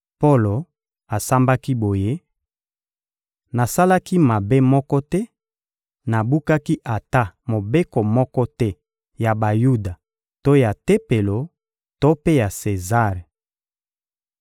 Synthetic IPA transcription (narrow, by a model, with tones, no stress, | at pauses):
po˦lo˨ | a˨sa˦mba˦ki˦bo˨je˦ | na˨sa˦la˦ki˦ma˨be˦mɔ˦kɔ˦tɛ˦ | na˨bu˦ka˦ki˦ʔa˨ta˦mo˨be˦ko˨mɔ˦kɔ˦tɛ˦ | ja˨ba˨ju˦da˨ | to˦ja˨te˦pe˨lo˨ | to˦pe˦ja˨se˨za˦˨ʁe˨